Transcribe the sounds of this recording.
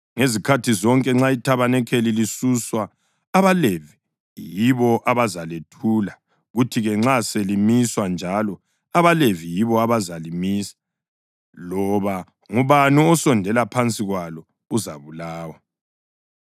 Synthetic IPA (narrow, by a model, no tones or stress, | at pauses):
ŋezikʰatʰizɔŋkʼɛŋ͡ǁaitʰaβanɛkʰelilisuswaː | βalevi | jiβɔʔaβazaletʰula | ɣutʰiɣɛŋ͡ǁaselimiswand͡ʒʱalɔ | aβalevijiβɔaβazalimiːsḁ | lɔβa | ŋuβanuɔsɔndʱɛlapʰant͡sʼiɣwalɔ | uza̰βulaːwa